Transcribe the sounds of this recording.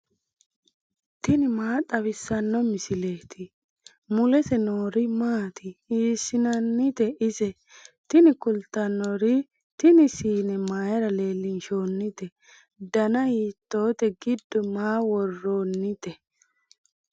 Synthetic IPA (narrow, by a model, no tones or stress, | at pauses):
t̪ɪnɪmaːt̪ʼɐβɪsːɐnːɔmɪsɪle̞ːt̪ɪ | mʊlɛsɛnoːɾɪmaːt̪ʰɪiːsːɪnɐnːɪt̪ɛʔɪsɛ | t̪ɪnɪkʊlt̪ɐnːɔɾɪ | t̪ɪnɪsiːnɛmaːjɛɾɐle̞ːlːɪnʃo̞ːnːɪt̪ɛ | d̪ɐnɐhiːt̪ːo̞ːt̪ɛɡɪd̪ːɔmaːwɔrːoːnːɪt̪ɛ